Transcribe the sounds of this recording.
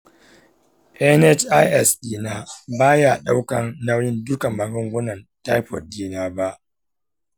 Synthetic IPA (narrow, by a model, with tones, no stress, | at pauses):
ʔɛ˦nɛ˦t͡ʃʔa˦jʔɛ˦˨sdiː˨naː˦baː˦ja˨ɗa˦wkɐ˨nːa˦wjɪ˦ndʊ˦ka˨mɐ˨ɡʊ˦ŋɡʷʊ˦nɐ˨nta˦jɸɔ̰˨diː˦naː˦ba˦ʔ